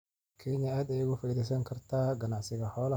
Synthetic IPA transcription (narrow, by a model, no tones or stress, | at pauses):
kʰɛɲɐaːd̪ɛjʊɣʊfɐiðɛjsɐŋkʰɐrt̪ʰaːɡɐnaʕsɪɣɐhɔːl